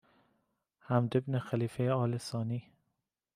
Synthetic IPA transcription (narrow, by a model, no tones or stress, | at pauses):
hæmd̪ebnexæliːfejeɒːlesɒːniː